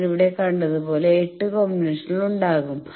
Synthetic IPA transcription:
niʋiɽe̞kɐɳɖɐðupo̞ːle̞ːʈːɨkomːiniʂɐniluɳɖaːɣum

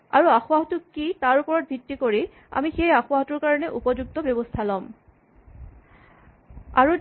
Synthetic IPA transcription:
a̰ɹuaxʊaɦɔtʊkːitaɹupɔɹɔt̚bʱitːikoɹi | a̰mixejaxʊaɦɔtʊɹkaɹɔnɛʔupɔzuɡ̚tɔbɔbɔstʰalɔm | aɹu

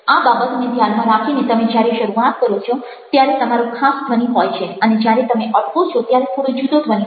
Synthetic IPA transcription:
ababət̪ned̪ʱjanmãɾakʰinet̪əmed͡ʒjaɾeʃəɾuat̪kəɾot͡ʃʰo | t̪jaɾet̪əmaɾũkʰasd̪ʱʋəniɦɔjt͡ʃʰeəned͡ʒjaɾet̪əmeʔəɽkot͡ʃʰot̪jaɾet̪ʰoɽũd͡ʒud̪od̪ʱʋəni

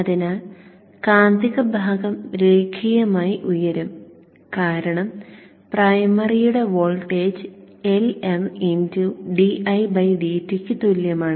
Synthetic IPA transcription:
ɐðina | kaːnd̪iɣɐbʱaːɡɐmɾeːɡʰijɐmaːjiʔujɐɾum | kaːɾɐɳɐm | prajɐmɐrijuɽe̞ʋoːlʈeːd͡ʑ | eleninduɖiʔɐjbɐjɖiːtːikʲːɨt̪oljɐmaːɳɨ

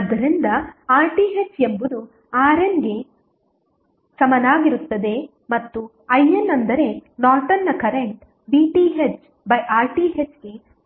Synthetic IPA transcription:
ɐd̪ːɐɾind̪ɐaːɾʈiːɦet͡ʃembud̪u | aːɾenɡe̞ | sɐmɐnaːɡiɾut̪ːɐd̪e̞ | mɐt̪ːu | ɐjenːɐnd̪ɐɾe̞naːʈɐnːɐkɐɾeɳʈ | biʈiːɦet͡ʃ | bɐjʔaːɾʈiːɦet͡ʃɡe̞

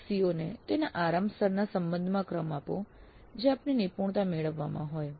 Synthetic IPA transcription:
sionet̪enaʔaɾambsəɾnasəmbə̃nd̪ʱmãkɾəmapõ̰ | d͡ʒeapninipuɳ̃t̪ameɭəʋːamã̰ɦoj

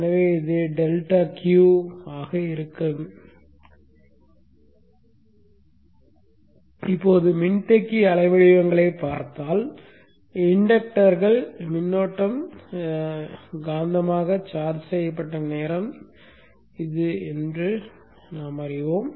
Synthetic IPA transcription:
nɐʋeːɪðeɖɛlʈaːkjuːaːɣɐɪɾɯkːɯm | ɪpːoːðɯmɪnʈɛkːiɐlɐɪʋɐɻɪʋɐŋɡɐɭɐɪpːaːɾt̪aːl | ɪɳɖɐk̚ʈɐɾɣɐɭmɪnːoːʈːɐm | ɡaːnd̪ɐmaːɣɐt͡ʃaːɾsɛjɐpːɐʈːɐneːɾɐm | ɪðɯɛndrɯ | naːmɐrɪʋoːm

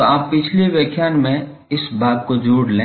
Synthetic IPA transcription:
oaːppɪt͡ʃʰleʋeːkʰjaːnmẽ | ɪsbʱaːb̚kod͡ʒuːɽlẽː

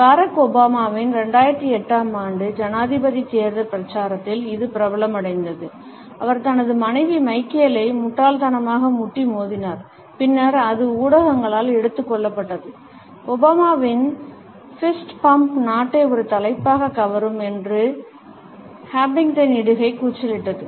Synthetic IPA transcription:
baːɾɐkːɔbaːmaːʋɪnɾɛɳɖaːjɪɾɐt̪ːɯɛʈːaːmaːɳɖɯd͡ʒɐnaːðɪbɐðiseːɾðɐpɪɾɐt͡ʃːaːɾɐt̪ːɪlɪðɯpɪɾɐbɐlɐmɐɽɐɪnd̪ɐðɯ | ɐʋɐɾt̪ɐnɐðɯmɐnɐɪʋimɐɪkːɪjɐlɐɪmʊʈraːlt̪ɐnɐmaːɣɐmʊʈːimoːðɪnaːɾ | pɪnːɐɾɐðɯuːɽɐɣɐŋɡɐɭaːlɛɽɯt̪ːɯkːɔɭːɐpːɐʈːɐðɯ | ɔbaːmaːʋɪn | fɪsʈpɐmpnaːʈːɐɪɔɾɯt̪ɐlɐɪpːaːɣɐkɐʋɐɾɯmɛndrɯ | haːbɪŋɡt̪ɐnɪɽɯɣɐɪkuːt͡ʃɐlɪʈːɐðɯ

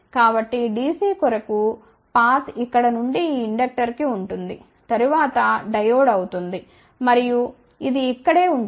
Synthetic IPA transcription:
kaːbɐʈːiɖiːsiːkɔɾɐku | paːt̪ikːɐɽɐnuɳɖiːɳɖɐk̚ʈɐɾkiuɳʈund̪i | t̪ɐɾuʋaːt̪ɐɖɐjoːɖɐwut̪und̪i | mɐɾiju | id̪iːkːɐɽe̞ːuɳ

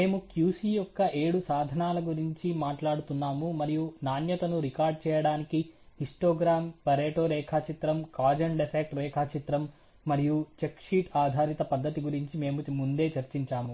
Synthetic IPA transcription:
me̞ːmukjuːsijɔkːɐʔeːɽusaːd̪ʱɐnaːlɐɡuɾiɲt͡ʃimaːʈlaːɽut̪unːaːmumɐɾijunaːnjɐt̪ɐnuɾikaːɾɖ̚t͡ʃɛːjɐɽaːnikihisʈoːɡɾaːmpɐɾeːʈoːɾɛːkʰaːt͡ʃit̪ɾɐmkaːd͡ʒɐɳɖepeːk̚ʈɾɛːkʰaːt͡ʃit̪ɾɐmː | ɐɾijut͡ʃekʂiːʈaːd̪ʱaːɾit̪ɐpɐd̪ːɐt̪iɡuɾiɲt͡ʃime̞ːmumund̪e̞ːt͡ʃɐɾt͡ʃiɲt͡ʃaːmu

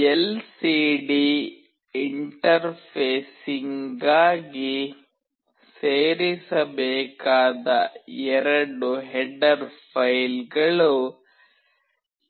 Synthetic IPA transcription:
ɛlsiːɖi | iɳʈɐɾpʰeːsiŋɡaːɡi | seːɾisɐbɛːkaːd̪ɐɛɾɐɽuɦɛɖɐɾpʰɐjlɡɐɭu

